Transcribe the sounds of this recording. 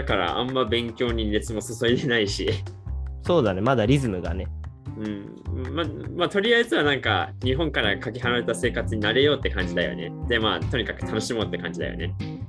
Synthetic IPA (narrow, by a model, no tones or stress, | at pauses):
d̪akaɾa̰ʔã̰mːabẽ̞ŋkʲo̞ːɲ̟iɾe̞t͡sɨmo̞soso̞id̪e̞naiɕi | so̞ːd̪anemad̪aɾʲizɨmɯ̟ɡa̰ne | ɯ̟̃ɴ | mamat̪o̞ɾʲiaezɨβanãŋka̰ɲ̟iɦõ̞ŋkaɾakakʲiɦaɾaɾe̞t̪ase̞ːkat͡sɨɲ̟inaɾe̞jo̞ːt̪ːe̞kãɲ̟d͡ʑid̪ajo̰ne̞̰d̪̥emaːt̪o̞ɲ̟ikakɯ̟̥t̪ʰano̞ɕimo̞t̪ːe̞kãɲ̟d͡ʑid̪a̰jo̰ne̞̰